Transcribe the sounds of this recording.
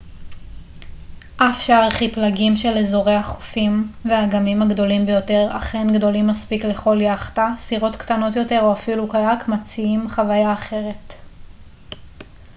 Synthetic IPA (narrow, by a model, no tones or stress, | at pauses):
ʔafʃaʁleχiplaɡimʃe̞lezo̞ʁe̞jhaχo̥fimveaɡamimhaɡdo̞limbejo̞te̞ʁa̰χenɡdo̞limːaspikle̞χo̞ljaχḁtasiʁo̞tktano̞tjo̞te̞ʁoafilukajakmat͡siimχavajaːχe̞ʁe̞t